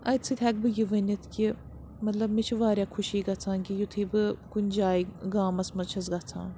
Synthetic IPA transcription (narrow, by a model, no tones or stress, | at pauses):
ɐ̰jt͡sʰɨt̪ʰʲɛk̚bɨjiʋənʲit̪ʰkʲi | mɐt̪lɐbmit͡ʃʰiʋaːɾʲjaːkʰuʃiːɡɐt͡sʰãːnkijut̪ʰɨːbɨkunʲd͡ʒaːiɡaːmɐsmɐt͡ʃʰɐsɡɐt͡sʰã̰ːn